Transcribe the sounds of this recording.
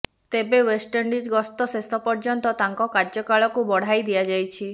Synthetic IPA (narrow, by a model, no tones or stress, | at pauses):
t̪ebewesʈeɳɖid͡ʒɡɔst̪ɔsesɔpɔɾd͡ʒɔnt̪ɔt̪aŋkɔkaɾd͡ʒɔkaɭɔkubɔɽ̤ajd̪iad͡ʒajt͡ʃʰi